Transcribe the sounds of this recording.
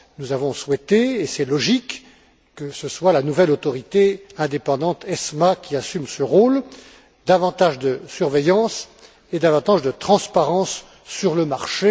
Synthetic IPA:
nuzavɔ̃swɛt̪eːsɛlɔʒikː | əsəswalanuvɛlot̪ɔʁit̪eɛ̃d̪epɑ̃d̪ɑ̃t̪ɛsmakʲiasymsəʁol | d̪avɑ̃t̪aʒd̪əsyʁvɛjɑ̃s | ed̪avɑ̃t̪aʒd̪ət̪χɑ̃spaʁɑ̃sː | yʁləmaʁʃe

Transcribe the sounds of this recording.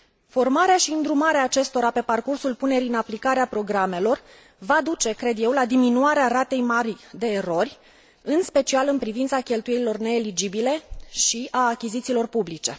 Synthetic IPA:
fo̞rmaɾeaʃiɨnd̪ɾumaɾeaːt͡ʃe̞st̪o̞ɾape̞parkursulpune̞ɾiɨnaplikaɾeapɾo̞ɡɾame̞lo̞r | vad̪ut͡ʃe̞kɾe̞d̪je̞wlad̪iminuaɾeaɾat̪e̞jmaɾid̪e̞ːro̞rʲ | ɨnspe̞t͡ʃialɨnpɾivint̪sakʲe̞lt̪ujeɾilo̞rne̞ːlid͡ʒibile̞ʃiaːkʲitzit̪silo̞rpublit͡ʃe̞

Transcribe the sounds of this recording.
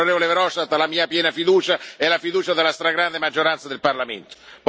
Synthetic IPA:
oɾeːvolevɾɔʃt̪at̪ːlamiːapjɛːnafid̪uːt͡ʃaɛlafid̪uːt͡ʃad̪elːast̪ɾaɡɾand̪emad͡ʒːoɾant̪sad̪elparlamḛnt̪o̥p

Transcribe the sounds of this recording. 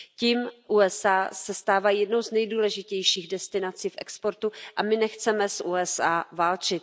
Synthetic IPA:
ciːmʔuːɛsaːsɛst̪aːvajɛdnowznɛjduːlɛʒɪcɛjʃiːɣdɛst̪ɪnat͡siːfʔɛ̰kspo̞ɾt̪uʔamɪnɛxt͡sɛmɛsʔuːɛsaːvaːlt͡ʃɪt̪

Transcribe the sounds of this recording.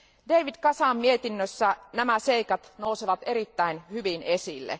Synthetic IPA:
dejʋid̪kɑsɑːmmie̞t̪inːøsːænæmæse̞ikɑt̪no̞useʋɑt̪eɾit̪ːæinhyʋinesilːḛ

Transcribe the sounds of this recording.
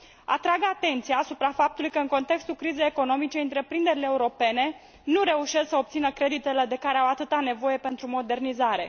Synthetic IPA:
a̰t̪ɾaɡat̪e̞nt̪sijaːsupɾafap̚t̪ulujkəɨnŋko̞nt̪e̞kst̪ulkɾize̞jeko̞no̞mit͡ʃe̞ɨnt̪ɾe̞pɾind̪e̞ɾileːuɾo̞pe̞ne̞ | nuɾe̞uʃe̞sksəo̞p̚t̪sinəkɾe̞d̪it̪e̞le̞d̪e̞kaɾe̞awat̪ɨt̪ane̞vo̞je̞pe̞nt̪ɾumo̞d̪e̞rnizaɾe̞

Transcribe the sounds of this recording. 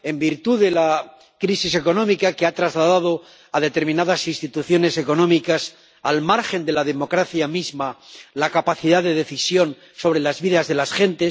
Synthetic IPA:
e̞mbiɾt̪uðe̞la | kɾisise̞ko̞nõ̞mikakeat̪ɾazlaðaðo̞ | aðe̞t̪e̞ɾmĩnaðasinst̪it̪uθjo̞ne̞se̞ko̞nõ̞mikas | almaɾxe̞nd̪e̞laðe̞mo̞kɾaθjamizmalakapaθiðaðe̞ðe̞θisjo̞n | so̞βɾe̞lazβiðazðe̞lasxe̞nt̪e̞s

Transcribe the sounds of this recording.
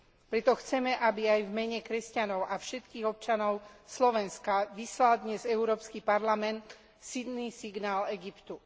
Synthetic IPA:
pɾɛt̪ɔxt͡sɛmɛʔabiajvmɛɲɛkɾɛscanɔʊʔafʃɛt̪kiːɣɔp̚t͡ʃanɔʊslɔʋɛnskaʋislald̪ɲɛzɛʊɾɔːpskipaɾlamɛnt̪ | sid̪niːsiɡnaːlɛɡipt̪u

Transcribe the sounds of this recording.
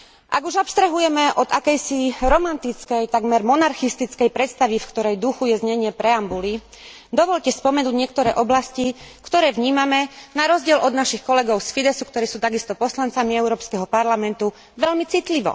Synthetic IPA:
ʔa̰ɡuʒɔpst̪ɾɛɦujɛmɛʔɔd̪akɛjsiɾɔmant̪it͡skɛjt̪aɡmɛɾmɔnaɾxist̪it͡skɛjpɾɛt̪st̪aʋifkt̪ɔɾɛjd̪uxujɛzɲɛɲɪɛpɾɛambuli | d̪ɔʋɔʎcɛspɔmɛnuːɟɲɪɛk̚t̪ɔɾɛ̰ːʔɔblascikt̪ɔɾɛːʋɲiːmamɛnaɾɔzɟɪɛlʔɔd̪naʃixkɔlɛɡɔʊsfid̪ɛsukt̪ɔɾiːsuːt̪aɡist̪ɔpɔslant͡samiɛʊɾɔːpskɛɦɔpaɾlamɛnt̪u | ʋɛʎmit͡sit̪liʋɔ̰

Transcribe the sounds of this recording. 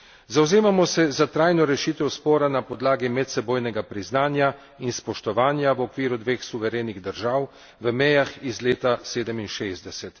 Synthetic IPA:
zawzeːmamɔsɛzat̪ɾajnɔɾɛʃiːt̪ɛwspɔːɾanapɔd̪laːɡimɛt̪sɛboːjnɛɡapɾiznaːnja | inspɔʃt̪ɔʋaːnjawɔkʋiːɾud̪ʋeːxsuʋɛɾeːniɣd̪əɾʒaːw | ʋəmɛjaxizleːt̪aseːd̪əminʃeːzd̪ɛsɛt̪

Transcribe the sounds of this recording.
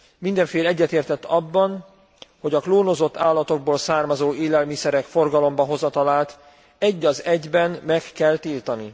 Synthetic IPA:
mind̪ɛɱfeːlɛɟːɛt̪eːrt̪ɛt̪ːɒbːɒn | ho̞ɟɒkloːno̞zo̞t̪ːaːlːɒt̪o̞ɡ̚boːlsaːrmɒzoːeːlɛlmisɛɾɛkfo̞rɡɒlo̞mbɒɦo̞zɒt̪ɒlaːlt̪ | ɛɟːɒzɛɟbɛnmɛkːɛlt̪iːlt̪ɒni

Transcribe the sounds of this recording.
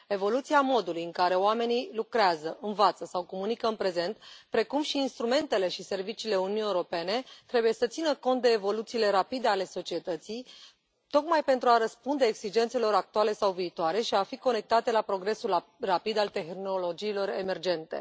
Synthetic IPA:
e̞vo̞lut̪siamo̞d̪ulujɨŋkaɾe̞oame̞nilukɾeazəʔɨnvat̪səsawko̞munikəɨnpɾe̞ze̞nt̪pɾe̞kumʃiːnst̪ɾume̞nt̪e̞le̞ʃise̞rvit͡ʃiːle̞ununiewɾo̞pe̞ne̞t̪ɾe̞buje̞sət̪sinəko̞nt̪̚d̪e̞ːvo̞lut̪siːle̞ɾapid̪e̞ale̞so̞t͡ʃie̞t̪ət̪sij | t̪o̞kmajpe̞nt̪ɾuaɾəspund̪eːksid͡ʒe̞nt̪se̞lo̞ɾak̚t̪uale̞sawviːt̪oaɾe̞ʃiafiko̞ne̞k̚t̪at̪e̞lapɾo̞ɡɾe̞sulrapid̪alt̪e̞xno̞lo̞d͡ʒiːlo̞ɾe̞me̞rd͡ʒe̞nt̪e̞̰

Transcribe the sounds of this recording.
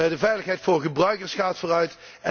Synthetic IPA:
dəvɛjləχɦɛjtfʊːɹχəbrœɥkəɹsχaːtfʊːrœɥt | ɛ

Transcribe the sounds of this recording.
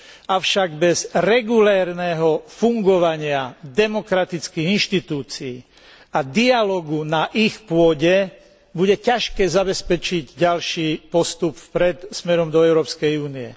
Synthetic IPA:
aʊʃaɡbɛzɾɛɡulɛːɾnɛːɦɔfuŋɡɔʋaɲɪad̪ɛmɔkɾat̪it͡skiːɣinʃt̪it̪uːt͡sḭː | ad̪ialɔɡunaʔixpʊɔɟɛ | buɟɛcaʃkɛːzabɛspɛt͡ʃiɟɟalʃiːpɔst̪upfpɾɛt̪smɛɾɔmd̪ɔɛʊɾɔːpskɛjuːniɛ̰

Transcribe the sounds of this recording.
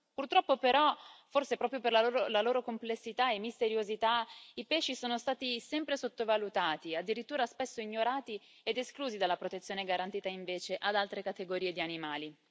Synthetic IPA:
purt̪ɾɔpːopeɾɔforsepɾɔːpɾjoperlaloːɾolaloːɾokomplesːit̪aemːist̪eɾjozit̪aipɛʃːisoːnost̪aːt̪isɛmpɾesot̪ːovalut̪aːt̪iad̪ːiɾit̪ːuːɾaspɛsːoiɲːoɾaːt̪i | ed̪eskluːzid̪alːapɾot̪et̪sːjoːneɡaɾant̪iːt̪aiɱveːt͡ʃeʔad̪alt̪ɾekat̪eɡoɾiːed̪ianimaːli

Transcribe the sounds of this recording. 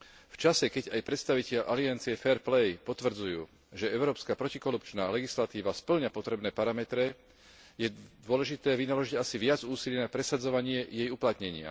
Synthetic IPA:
ft͡ʃasɛkɛɟajpɾɛt̪st̪aʋicɛʎʔaliant͡siɛfɛɾplɛjpɔt̪ʋr̩d͡zujuː | ʒɛɛʊɾɔːpskaːpɾɔcikɔɾupt͡ʃnaːlɛɡislat̪iːʋaspl̩ɲapɔt̪ɾɛbnɛːpaɾamɛt̪ɾɛ | jɛd̪ʊɔlɛʒit̪ɛːʋinalɔʒiɟasiʋɪad͡zuːsiliːnapɾɛsad͡zɔʋaɲɪɛjɛjuplat̪ɲɛɲɪa̰

